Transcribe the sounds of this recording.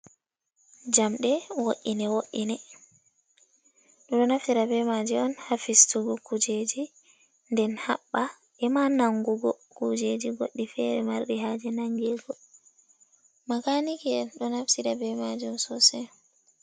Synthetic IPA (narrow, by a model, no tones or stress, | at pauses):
d͡ʒamɗɛwoʔːinɛwoʔinɛ | ɗɔɗɔnafsiɾabɛmad͡ʒɛɔnhafistuɡɔkʰud͡ʒed͡ʒi | ndɛnhaɓːa | ʔɛmanaŋɡuɡɔ | kud͡ʒed͡ʒiɡoɗːifɛɾɛmaɾɗiɦaːd͡ʒɛnaŋɡɛɡɔ | makanikɛɗɔnafsiɾabɛmad͡ʒiuɔnsɔsɛ